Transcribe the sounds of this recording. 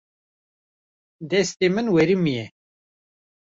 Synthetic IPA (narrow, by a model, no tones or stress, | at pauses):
d̪ɛst̪emɨnwɛɾimijɛ